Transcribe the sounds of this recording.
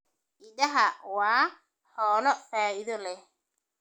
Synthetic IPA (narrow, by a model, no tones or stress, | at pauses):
ʔɪdɐɦɐwaː | ħɔːlɔfaːɪðɔlɛ